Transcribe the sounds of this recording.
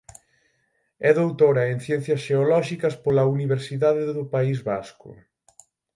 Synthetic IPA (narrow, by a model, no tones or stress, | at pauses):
ɛðowt̪oɾɐen̟θjɛn̟θjɐsʃeolɔʃikɐspolɐuniβeɾsiðaðeðʊpaizβa̰skʊ̰